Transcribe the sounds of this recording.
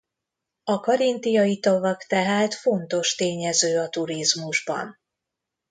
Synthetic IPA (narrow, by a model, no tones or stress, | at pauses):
ɒkɒɾint̪ijɒjit̪ɒvɒkt̪ɛɦaːt̪fo̞nt̪o̞ʃt̪eːɲɛzøːɒt̪uɾizmuʒbɒ̰n